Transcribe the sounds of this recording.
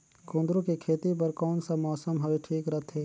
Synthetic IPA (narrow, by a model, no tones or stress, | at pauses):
kõːnd̪ɾõkekʰeːt̪ip̬ɐɾkɔːnsamɔːsəmɦɐʋeʈʰiːkɾɐɦt̪ʰeː